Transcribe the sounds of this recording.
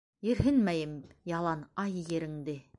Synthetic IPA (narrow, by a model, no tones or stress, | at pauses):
jɘ̆ɾɦɘnmæjɘmjɑlˠɑnɑjjĕɾɘ̆ŋd̪ɘ